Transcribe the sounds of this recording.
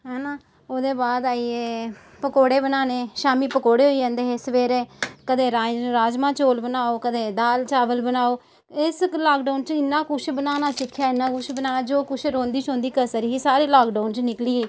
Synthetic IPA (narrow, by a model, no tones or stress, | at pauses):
ɦɛːnãː | oːd̪eːbaːd̪aːiːeː | pəkoːɽeːbənaːnẽːʃaːmiːpəkoːɽeːɦoːiːd͡ʒãːnd̪eːɦeːsʋeːɾeːkəd̪eːɾaɾaːd͡ʒmãːt͡ʃoːlbənaːoːkəd̪eːd̪aːlt͡ʃaːʋəlbənaːoː | ɪslaːkɖaːnt͡ʃɪnːaːkʊʃʰbənaːnaːsɪkʰːjaːɪnːãːkʊt͡ʃʰbənaːd͡ʒoːkʊʃʰɾõːnd̪iːt͡ʃõːnd̪iːkəsəɾiːɦiːsaːɾiːlaːkɖaːnt͡ʃnɪkliːeː